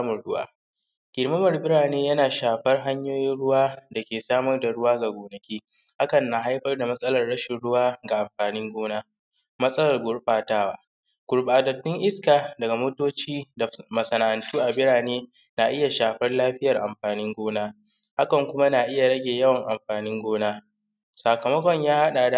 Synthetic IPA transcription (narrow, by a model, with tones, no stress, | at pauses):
mɐ˨ɽʊ˦wa̰ː˦ | ɡ̥ʲɪ˨ɽmɐ˦mɐ˨rbɪ˦ɽaː˨neː˦jɐ˦naː˨ʃaː˨ɸɐ˦rɦa˦ɲjoː˦jɪ˦nɽʊ˦waː˦da˨kʲeː˨saː˦mɐ˦rda˨ɽʊ˦waː˦ɡa˨ɡʷoː˨nɐ˨kʲiː˦ | ha˦kɐ˨nːa˨ɦa˦jɸɐ˦rda˨mɐ˦sʼɐ˦lɐ˨rɽɐ˦ʃɪ˨nɽʊ˦waː˦ɡa˨ʔa˨mɸaː˨nɪ˦ŋɡʷoː˦naː˦ | mɐ˦sʼɐ˦lɐ˨rɡʷʊ˦ɽɸʼaː˨taː˦waː˦ | ɡ̥ʷʊ˨ɽɓaː˨dɐ˨tːʊ˦ŋʔɪ˦skaː˨dɐ˨ɡa˨moː˦toː˦t͡ʃiː˦da˨mɐ˨sɐ˨na˨ʔa˨ntuː˦ʔa˨bɪ˦ɽaː˨neː˦ | naː˨ʔɪ˦ja˨ʃaː˨ɸɐ˦rlaː˦ɸɪ˦jɐ˨rʔa˨mɸaː˨nɪ˦ŋɡʷoː˦naː˦ | ha˦kɐ˨ŋkʷʊ˦ma˦naː˨ʔɪ˦ja˨ɽɐ˦ɡʲeː˨jɐ˦wɐ˨ŋʔa˨mɸaː˨nɪ˦ŋɡʷoː˦naː˦ | saː˨kɐ˨mɐ˦kʷɔ˨ɲjaː˦ha˦ɗaː˨da˨